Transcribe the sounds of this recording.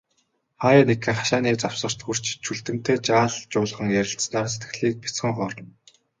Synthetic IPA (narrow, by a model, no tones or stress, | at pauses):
χaːjaːnekʰĕχḁʃaːniːt͡saw̥sə̆r̥t̪xur̥t͡ɕt͡ɕʰuɮt̪ɘ̆m̥t̪ʰeːt͡ɕaːɮt͡ɕʊːɮ̆ʁə̆ŋjæɾʲɪ̆ɬt͡snaːrset̪ɡɘ̆ɮiːk̚pit͡sχə̆ŋχɔːrɞ̆n